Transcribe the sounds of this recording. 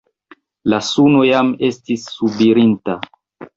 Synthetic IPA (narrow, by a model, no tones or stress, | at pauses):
lasuno̞jame̞stisːubiɾinta